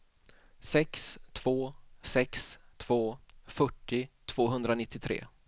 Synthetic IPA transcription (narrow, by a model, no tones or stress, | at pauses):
sɛkst̪ʰv̥oːsɛkst̪ʰv̥oːfœʈːɪt̪ʰv̥oːɦɵnd̪ɾanɪt̪ːɪt̪ʰɾḛː